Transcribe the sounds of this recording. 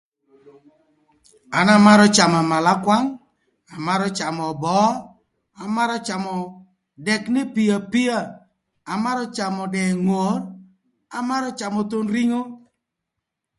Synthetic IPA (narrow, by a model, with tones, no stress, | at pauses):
a˨˦na˦ma˦ɾɔ˦t͡ʃa˨ma˨ma˨la˦kwa˦ŋ | a˨ma˦ɾɔ˦t͡ʃa˨mɔ˨bɔ˨˦ | a˨ma˦ɾɔ˦t͡ʃa˨mɔ˨ | dɛ˨knɪ˦pi˨ja˨pi˦a˦˨ | a˨ma˦ɾɔ˦t͡ʃa˨mɔ˨dɛ˨ŋo˨r | a˨ma˦ɾɔ˦t͡ʃa˨mɔ˨t̪o˦nɾi˦ŋo˦